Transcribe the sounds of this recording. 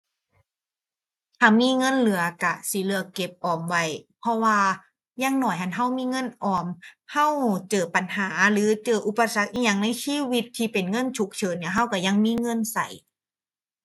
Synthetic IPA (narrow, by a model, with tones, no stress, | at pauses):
t̪ʰaː˧˩miː˧˥˨ŋɤ˧˥˨nlɯ˩˦ɐka˧˩siː˨˦lɯ˨˩˦ɐke˧˩p̚ʔɔː˨˩mwa˧˩jpʰɔ˧waː˧ | jaː˧˩ŋnɔː˧˩jɦʰa˧˩nɦa˧˥˩wmiː˧˥˨ŋɤ˧˥˨nʔɔː˧˩mha˧˥˩wt͡ɕɤː˨˩pa˨˩nhaː˩˦lɯː˨˦t͡ɕɤː˧˩ʔu˧˦pa˧sa˧˦k̚ʔi˧˩ɲa˧˩ŋna˧˥˨jsʰiː˧˥˩wi˧t̪ʰːiː˧˩pe˨˩nŋɤ˧˥˨nt͡ɕʰu˨˧˦k̚t͡ɕʰɤː˨˦nːi˧ɐɦa˧˩wka˧˩ja˧˨ŋmiː˧˥˨ŋɤ˧˥˨nsa̰˨˩j